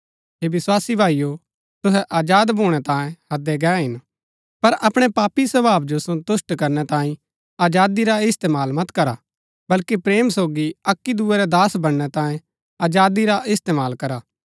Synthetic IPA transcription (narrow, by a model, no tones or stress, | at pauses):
ɦeːbɪswaːsibʱaːijo | t̪ʊɦɛʔaːd͡ʒaːd̪bʱoːɽ̃ɛt̪ãːẽhɐd̪ɛɡɛːɦɪn | pɐɾʔɐpɽ̃ɛpaːpisɐbaːbd͡ʒosõt̪ʊsʈkɐɾnɛt̪ãːĩ | aːd͡ʒaːd̪iɾaɪst̪eːmaːlmɐt̪kɐɾa | bɐlkipɾeːmsoːɡiɐkːid̪uːɛɾɛd̪aːsbɐɽ̃ːɛt̪ãːẽ | aːd͡ʒaːd̪iɾaʔɪst̪eːmaːlkɐɾaː